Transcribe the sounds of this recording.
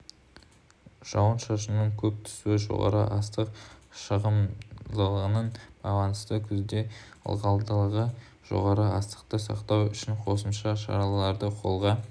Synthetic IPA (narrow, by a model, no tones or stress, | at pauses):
ʒ̥ɑwənʃɑʃ̬əmnəɴkʲʰɵp̚t̪ʰʏ̥suɪʒo̞̰ʁɑ̰ɾə̰ʔɑst̪əqʃəʁəmd̪əlˠʁənəɴb̥ɑ̰lˠɑnəst̪əkʲʰʏzd̪eə̰lˠʁɑlˠd̪əlˠʁə | ʒ̥o̞̰ʁɑɾəɑst̪ə̥qt̪əsɑ̰qt̪ɑwʏʃɪɴqʰo̞səmʃɑʃɑ̰ɾɑllˠɑɾd̪əqʰo̞lˠʁɑ